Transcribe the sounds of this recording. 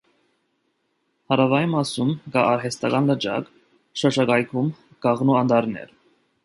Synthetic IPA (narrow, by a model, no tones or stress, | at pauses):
hɑɾɑvɑimɑsumkɑɑɾɦɛst̪ɑɡɑnlət͡ʃɑ̰k | ʃəʃɑɡɑjkʰum | ɡ̥ɑʁnuɑnd̪ɑɾnɛ̰ɾ